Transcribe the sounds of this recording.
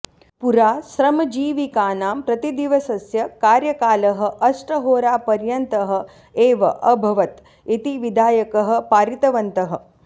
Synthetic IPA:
puɾaːʃɾɐmɐd͡ʒiːʋikaːnaːmpɾɐt̪id̪iʋɐsɐsjɐkaːɾjɐkaːlɐɦɐ̆ʔɐsʈɐɦoːɾaːpɐɾjɐnt̪ɐɦɐ̆ | eːʋɐʔɐbʱɐʋɐt̪ | it̪iʋid̪ʱaːjɐkɐɦɐ̆paːɾit̪ɐʋɐnt̪ɐɦɐ̆

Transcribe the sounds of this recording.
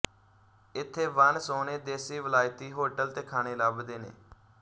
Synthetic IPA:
ɪt̪ʰːeːʋənsoːneːd̪eːsiːʋəlaːjt̪iːɦoːʈəlt̪eːkʰaːñeːləbd̪eːnḛː

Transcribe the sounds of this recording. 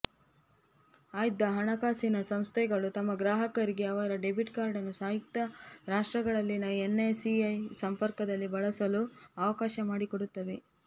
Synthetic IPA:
aːjid̪ːɐɦɐɳɐkaːsinɐsɐmst̪ʰɛɡɐɭut̪ɐmːɐɡɾaːɦɐkɐɾiɡe̞ɐʋɐɾɐɖebiʈkaːɾɖɐnːusaːjik̚t̪ɐɾaːʂʈɾɐɡɐɭɐlːinɐenːesiɐjsɐmpɐɾkɐd̪ɐlːibɐɭɐsɐluɐʋɐkaːʃɐmaːɽikoɽut̪ːɐʋe

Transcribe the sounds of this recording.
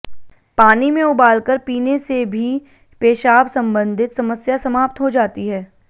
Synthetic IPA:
paːnimẽʊbaːlkəɾpiːnesebʱi | peːʃaːbsɐ̃mbə̃nd̪ʱɪt̪sɐməsjasɐmaːp̚t̪ɦod͡ʒaːt̪iɦɛː

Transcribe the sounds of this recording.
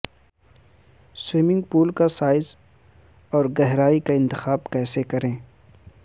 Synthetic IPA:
swɪmɪ̃ŋɡpuːlkasaːɪz | ɔːɾɡɛɦɾaːikaɪ̃nt̪ɪxaːbkɛːsekɐɾẽː

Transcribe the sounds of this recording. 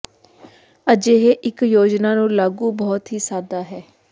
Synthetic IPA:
əd͡ʒeːɦeːʔɪkjoːd͡ʒnaːnũːlaːɡũːbɔːt̪ɦiːsaːd̪aːɦɛː

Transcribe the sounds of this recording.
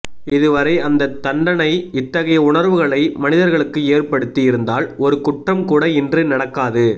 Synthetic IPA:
ɪðɯʋɐɾɐɪɐnd̪ɐt̪ːɐɳɖɐɳɐɪɪt̪ːɐɣɐjɐʊɳɐɾʋɯɣɐɭɐɪmɐnɪðɐɾɣɐɭɯkːɯeːrpɐɽɯt̪ːijɪɾɯnd̪aːlɔɾɯkʊʈrɐmkuːɽɐɪndrɯnɐɽɐkːaːðɯ

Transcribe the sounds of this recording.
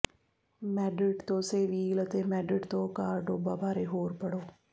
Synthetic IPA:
mɛːɖɪʈt̪õːseːʋiːlət̪eːmɛːɖɾɪʈt̪õːkaːɾɖoːbaːbʱaːɾeːɦoːɾpəɽoː

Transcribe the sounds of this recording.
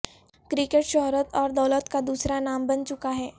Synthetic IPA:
kɾɪkeʈʃɔɦɾət̪ɔːɾd̪ɐːlət̪kad̪uːsɾanaːmbɐnt͡ʃʊkaɦɛː

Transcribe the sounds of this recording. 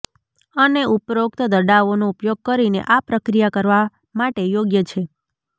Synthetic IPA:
əneupɾokt̪əd̪əɾɖaʋonoupjoɡ̚kəɾinḛʔapɾəkɾijakəɾʋa | maʈejoɡjət͡ʃʰe

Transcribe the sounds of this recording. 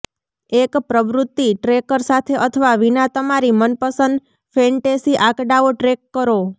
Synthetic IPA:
ekpɾəʋɾut̪ːiʈɾekəɾsat̪ʰeʔət̪ʰəʋaʋinat̪əmaɾimənpəsənd̪ | fɛɳʈesiʔakɖaoʈɾekːəɾo

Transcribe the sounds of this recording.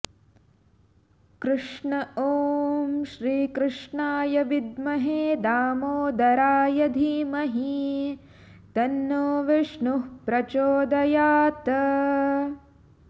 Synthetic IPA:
kɾɨʂɳɐoːmʃɾiːkɾɨʂɳaːjɐʋid̪mɐɦeːd̪aːmoːd̪ɐɾaːjɐd̪ʱimɐɦi | t̪ɐnːoːʋiʂɳuɦpɾɐt͡ʃoːd̪ɐjaːt̪ɐ

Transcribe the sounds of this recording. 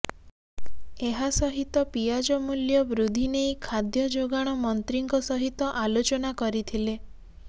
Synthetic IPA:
eɦasɔɦit̪ɔpijad͡ʒɔmuljɔbɾud̪ʱinejkʰad̪jɔd͡ʒoɡaɽ̃ɔmɔnt̪ɾiŋkɔsɔɦit̪ɔʔalot͡ʃɔnakɔɾit̪ʰile

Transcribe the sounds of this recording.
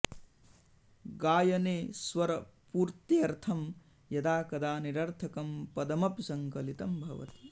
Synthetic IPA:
ɡaːjɐneːsʋɐɾɐpuːɾt̪iɐɾt̪ʰɐm | jɐd̪aːkɐd̪aːniɾɐɾt̪ʰɐkɐmpɐd̪ɐmɐpsɐŋkɐlit̪ɐmbʱɐʋɐ̰t̪i̥

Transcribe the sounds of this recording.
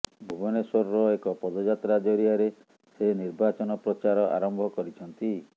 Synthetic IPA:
bʱubɔneswɔɾɾɔekɔpɔd̪ɔd͡ʒat̪ɾad͡ʒɔɾiaɾe | seniɾbat͡ʃɔnɔpɾɔt͡ʃaɾɔʔa̰ɾɔmbʱɔkɔɾit͡ʃʰɔnt̪i

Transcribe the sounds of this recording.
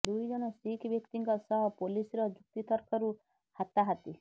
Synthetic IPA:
d̪ujd͡ʒɔɽ̃ɔsikʰbjɔkt̪iŋkɔsɔɦɔpolisɾɔd͡ʒuk̚t̪it̪ɔɾkʰɔɾu | hat̪aɦat̪i

